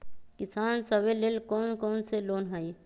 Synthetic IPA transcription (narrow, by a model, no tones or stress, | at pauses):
kɪsaːnsəbelelkoːnkɔːnseloːnɦai